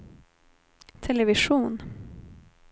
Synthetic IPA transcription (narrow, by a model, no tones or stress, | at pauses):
t̪ʰɛlɛvɪʂuːn